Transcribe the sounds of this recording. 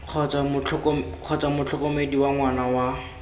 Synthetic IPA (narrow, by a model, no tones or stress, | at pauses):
q͡χʰɔt͡samʊt͡ɬʰʊkɔq͡χʰɔt͡samʊt͡ɬʰʊkɔmediwaŋwanawa